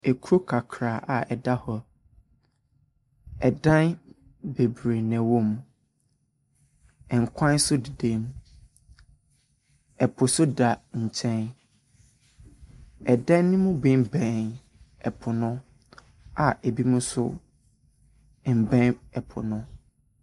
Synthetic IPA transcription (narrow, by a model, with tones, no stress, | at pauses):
ɛ˨kʰu˦ɾo˦kʰa˨kʰɾaː˨ʔa˨ɛ˨da˦hɔ˨ | ɛ˨dã˦n | be˨bɾe˨nɛ̃˨wõ˦m˨ | ɛ˨ŋ̩˨kʷʰã˦n˦sʊ˦di˨de˦m˦ | ɛ˨pʰʊ˨sʊ˦da˨ɲ̩˨t͡ɕʰɛ̃˦n | ɛ˨dã˦n˦nːɪ̃˦mʊ̃˦bɪ̃˦˨m˦bɛ̃˨n | ɛ˨pʰʊ˨nʊ̃˦ | a˨e˨bi˦mʊ̃˦sʊ̰˦˨ | m̩˨bɛ̃˦nɛ˨pʰʊ̰˨nʊ̃˦